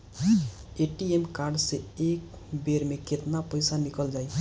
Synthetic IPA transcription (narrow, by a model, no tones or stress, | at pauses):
eʈiemkaɾɖseek | beɾmeket̪napəjsanikəld͡ʒaj